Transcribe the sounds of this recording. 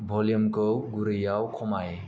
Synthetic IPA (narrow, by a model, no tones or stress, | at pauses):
bʱɔljəmkɯwɡuɾɯjawkʰɔmaj